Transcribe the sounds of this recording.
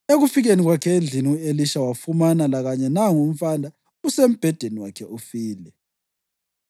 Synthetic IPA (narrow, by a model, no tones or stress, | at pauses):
eɣufiɣeniɣwakʰɛnd͡ɮʱiniueliʃawafumanalaɣaɲɛnaŋum̩fandʱa | usem̩b̥ʱɛd̥ʱeniwakʰɛʔufiːlɛ